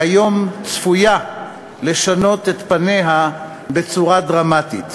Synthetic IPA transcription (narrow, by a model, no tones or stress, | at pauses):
ajo̞mt͡sfuja | le̞ʃano̞t̪e̞t̪pane̞ɦa | be̞t͡suʁadʁamat̪ḭt̪